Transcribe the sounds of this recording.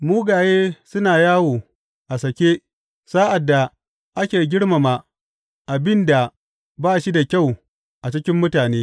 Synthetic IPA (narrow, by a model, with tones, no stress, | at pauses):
muː˦ɡaː˨jeː˦sʊ˦naː˨jaː˦woː˨ | ʔa˨sɐ˨kʲeː˦ | saː˦ʔa˨dːa˨ | ʔa˦kʲeː˨ɡʲɪ˦ɽma˨ma˨ | ʔa˨bɪ˦nda˨ | baː˦ʃi˦da˨kʲa˦˨w | ʔa˨t͡ʃɪ˦kʲɪ˦mːʊ˦taː˨neː˦